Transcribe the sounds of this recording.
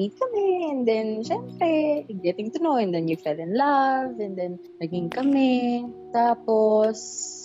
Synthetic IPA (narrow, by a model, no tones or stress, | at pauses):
it̪̚kɐmɛɛ̃nd̪ɛnʃɛmpɾɛɪɡɛt̪ɪ̃ŋt̪ʊnowɛ̃nd̪ɛnjʊfɛlɪ̃nlavɛ̃nd̪ɛn | nɐɡɪŋkɐmɛt̪aːpos